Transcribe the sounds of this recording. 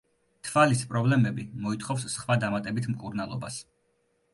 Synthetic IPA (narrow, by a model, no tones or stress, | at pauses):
t̪ʰvalispʼɾɔblɛmɛbimɔit̪χɔfsːχwad̪amat̪ʼɛbit̪ʰmkʼuɾnalˠɔ̰ba̰s